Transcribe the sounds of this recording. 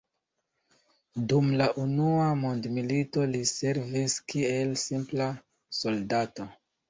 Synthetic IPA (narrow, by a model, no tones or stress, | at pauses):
dumlaʔunuamondmilito̞lise̞ɾviskie̞lsimpla | so̞ldato̞